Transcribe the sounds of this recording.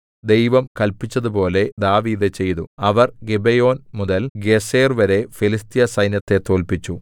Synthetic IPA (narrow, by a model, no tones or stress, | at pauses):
d̪e̞jʋɐmkɐlpit͡ɕːɐðupo̞ːle̞d̪aːʋiːd̪ɨt͡ɕe̞jðuɐʋɐrɡebejo̞ːnmuðɐlɡeseːrʋɐɾe̞filist̪ijɐsɐjnjɐt̪ːe̞t̪o̞ːlpit͡ɕːu